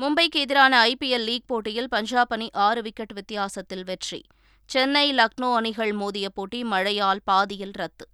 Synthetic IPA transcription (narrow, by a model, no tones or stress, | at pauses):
mʊmbɐɪkeːðɪɾaːnɐːɪpiɛlːiːɡ̚poːʈːɪjɪlpɐɲd͡ʒaːpɐniʔaːɾɯʋɪkːɛʈːʋɪt̪ːɪjaːsɐt̪ːɪlʋɛʈrḭ | t͡ʃɛnːɐɪlɐknoːɐnɪɣɐɭmoːðɪjɐpːoːʈːimɐɻɐjaːlpaːðɪjɪlɾɐt̪ːɯ